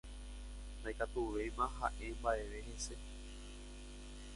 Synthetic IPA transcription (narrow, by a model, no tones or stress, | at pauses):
nd̪ajkat̪uʋejmãɦãʔe̞mbaʔe̞ʋe̞he̞se̞